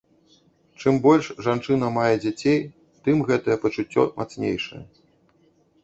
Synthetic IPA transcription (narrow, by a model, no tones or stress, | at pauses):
t͡ʂɨmbɔlʲʂʐant͡ʂɨn̪ɐmajɛd͡zʲat͡sʲej | t̪ɨmɣɛt̪ɐjɛpɐt͡ʂut͡sʲːɔ̰mʔa̰t̪snʲḛjʂɐ̰jɐ̰